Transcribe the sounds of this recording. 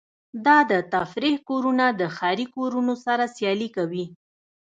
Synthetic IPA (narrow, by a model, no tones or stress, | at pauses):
d̪ɑd̪ət̪afɾihkoɾunad̪əxɑɾikoɾunosaɾasjɑlikawi